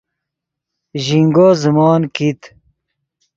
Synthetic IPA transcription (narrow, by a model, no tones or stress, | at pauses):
ʑiŋɡozumɑːnkit̪